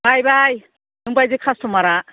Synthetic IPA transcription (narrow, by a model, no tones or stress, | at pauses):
bajbaj | numpajzekʰastomaɾa